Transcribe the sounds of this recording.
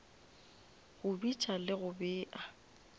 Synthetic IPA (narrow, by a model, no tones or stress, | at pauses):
ɣʊbit͡ʃʼalɪɣʊbɪːʔa